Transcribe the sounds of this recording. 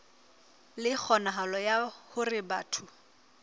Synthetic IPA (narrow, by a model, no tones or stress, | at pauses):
lɪk͡xʰɔnaɦalɔjahʊrɪbaːtʰʊ